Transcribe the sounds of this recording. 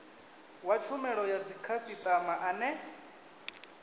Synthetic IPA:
wat͡ʃʰumɛɺɔjad͡zikʰasit̪ʼamaʔanɛ

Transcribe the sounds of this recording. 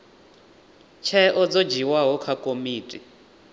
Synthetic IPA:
t͡ʃʰɛʔɔd͡zɔd͡ʒiwaɦɔkʰakʼomiːtʼi

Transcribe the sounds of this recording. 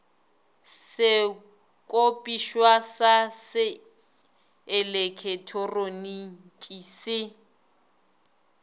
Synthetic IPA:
sɪ | kʼopʼiʃwasasɪ | lekʰɛtʰɔroni | tʼisɪ

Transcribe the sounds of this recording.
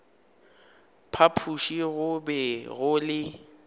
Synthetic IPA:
pʰapʰuʃiɣʊbɛɣʊlɪ

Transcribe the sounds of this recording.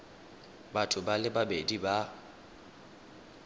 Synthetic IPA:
batʼʊbalɪbabediba

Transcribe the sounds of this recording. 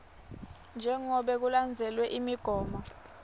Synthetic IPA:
nd͡ʒʱɛŋɔɓɛk̬uland͡zʱɛlwɛʔimiɡ̥ʱɔːma

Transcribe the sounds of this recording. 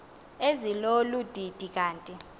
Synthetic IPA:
ezilolud̥ʱid̥ʱikʼaːntʼi

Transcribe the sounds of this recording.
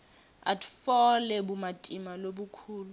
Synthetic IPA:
a̰tʰʼfɔlɛbumatʼimaloɓukʰuːlu

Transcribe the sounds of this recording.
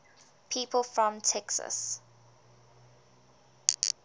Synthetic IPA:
pʰiːpʰəlˠfɹɔ̃mtʰɛksə̰s

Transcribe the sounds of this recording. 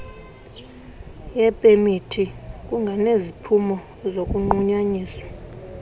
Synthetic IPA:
jɛpʼemitʰikʼuŋɡʱanezipʰumɔ | zokʼuŋ͡ǃuɲaɲiːswḁ

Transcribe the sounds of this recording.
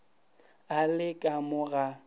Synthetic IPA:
alɪkʼamʊɣa

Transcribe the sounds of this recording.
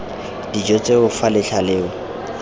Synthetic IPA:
d̥id͡ʒɔt͡sʼeʊfalɪɬʰalɪːʊ

